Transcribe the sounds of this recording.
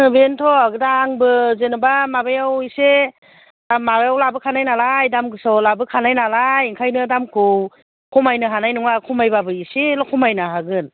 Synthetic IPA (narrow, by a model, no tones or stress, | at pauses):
ɯbentʰɔaɡɯdaːŋbɯzenɯbamabajawise | mabajawlabɯkʰanajnalajdamɡɯsawlabɯkʰanajnalajiŋkʰajnɯdamkʰuw | kʰɔmajnɯɦanajnuŋakʰumajbabɯiselɔkʰɔmajnaɦaɡɯn